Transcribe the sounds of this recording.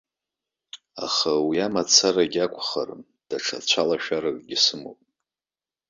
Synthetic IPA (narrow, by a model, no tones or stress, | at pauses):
a̰χawiamat͡sʰaraɡʲakʷʰʼχa̰r | d̥aʈ͡ʂʰa̰t͡ɕʷʰalaʃᶣaɾakʼɡʲɪsɨmo̰pʼ